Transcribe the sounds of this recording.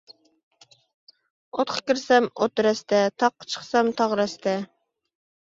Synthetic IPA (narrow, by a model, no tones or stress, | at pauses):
ot̪qʰə̥kʲiɾsɛmot̪ɾɛst̪ɛt̪ʰɑqːt͡ʃʰə̥χsɛmt̪ʰɑʁɾɛst̪ʰɛ